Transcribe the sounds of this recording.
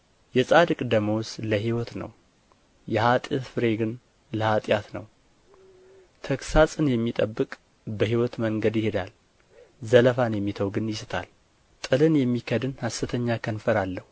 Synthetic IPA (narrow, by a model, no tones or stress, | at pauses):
jɛsʼad̪ɨkʼd̪əməwsləɦiwɔt̪nə̰w | jɛhat̪ʼɪt̪fɨɾe̞ɡɨn | ləhat̪ʼjat̪nəw | t̪ʰəksasʼɨnjɛmːit̪ʼəbːɨkʼ | bəhiwɔt̪məŋɡəd̪jɪhed̪al | zələfanjɛmːit̪ʰəwɡɨnjɪsɨt̪ʰa̰l | t̪ʼɨlɨnjɛmːikʰəd̪ɨnhasɨt̪ʰəɲːakʰənfəɾalːəhu